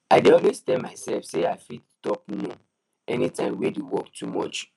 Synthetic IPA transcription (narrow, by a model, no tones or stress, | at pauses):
aɪdeɔlwezstɛmaɪsɛlfseaɪfidstɔp̚nõ | ɛnitãɪ̃mweduwɔktʰumɔ̰t͡ʃ